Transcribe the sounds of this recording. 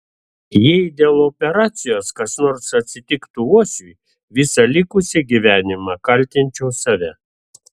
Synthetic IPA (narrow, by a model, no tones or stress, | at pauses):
jɛɪd̪ʲeːlˠɔpʲɛɾɑːt̪sʲɪjoːskɐsnɔɾsɐt̪ʲsʲɪt̪ʲɪkt̪uuɔsʲuj | ʋʲɪsɐlʲɪkʊsʲɪɡʲiʋʲæːnʲɪmɑkɐlʲˑt̪ʲɪnʲt͡ʃʲɛʊsɐʋʲɛ